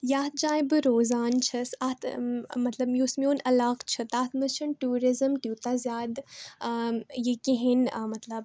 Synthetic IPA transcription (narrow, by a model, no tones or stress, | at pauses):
jaːt̪̚d͡ʒaːjbɨɾoːzaːnt͡ʃʰɐsat̪mɐt̪lɐbjoːsmioːnɐlaːqt͡ʃʰɨt̪at̪ʰmɨst͡ʃʰɨnʈuːɾizɨmʈ̪ʲuːt̪azʲjaːd̪ | jikiɦinmɐt̪lɐb